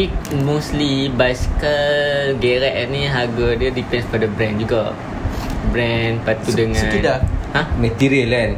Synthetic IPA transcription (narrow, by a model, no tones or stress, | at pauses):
ik̚moslibajsi̥kəlɡɛɾaʔɛniɦaɡədiədipɛ̃nsfɔdəbɾɛ̃nd͡ʒuɡa | bɾɛnpat̪udəŋãidahãmɛt̪iɾiəlɛn